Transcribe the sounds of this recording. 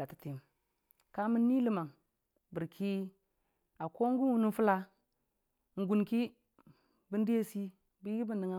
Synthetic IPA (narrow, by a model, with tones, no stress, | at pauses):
a˨ti˨ti˨m | ka˦mi˦nːi˦li˦ma˨ŋ | bi˨ɾkʰi˦ | a˨ko˦ŋ˦ɡu˦nwu˦nu˦fu˦la˦ | ŋ̩˨ɡu˨nki˦ | bi˦n˦di˦je˦si˦ | bi˦ji˦ɡi˦bi˦nːi˨ŋa˦